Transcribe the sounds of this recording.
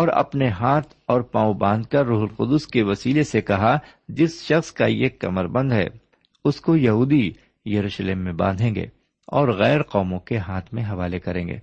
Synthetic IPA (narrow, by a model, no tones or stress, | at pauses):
ɔːɾɐ̰pneɦaːt̪ʰɔːɾpãːobãːnd̪̚kɐɾːuːɦəlqʊd̪ʊskeʋɐsiːlesekɐɦa | d͡ʒɪsʃɐxskajekɐ̰məɾbə̃nd̪ɦɛ̰ː | ʊskojɐɦuːd̪i | jɐɾuːʃleːmːẽbã̰ːnd̪ʱẽːŋɡḛː | ɔːɾɣɛːɾqɔːmõkeɦaːt̪ʰmẽɦɐʋaːlekɐɾẽːŋɡḛː